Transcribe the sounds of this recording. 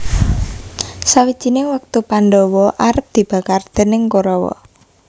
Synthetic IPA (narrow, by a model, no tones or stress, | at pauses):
sawi̥d͡ʒ̥inewək̚t̪upanɖɔwɔʔaɾəp̚d̪̥i̤b̥ä̤kard̪̥ə̤nɪŋkoɾɔwɔ̰